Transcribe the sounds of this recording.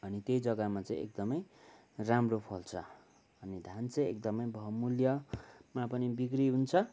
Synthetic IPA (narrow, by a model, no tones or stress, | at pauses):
ʌnit̪jejd͡zʌɡamat͡sãĩʔḛk̚d̪ʌmʌj | ramropʰʌlt͡sʰʌ | ʌnid̪ʱant͡sʌ̃j̃ek̚d̪ʌmʌjbʱʌmuljʌmapʌnibikriɦunt͡sʰʌ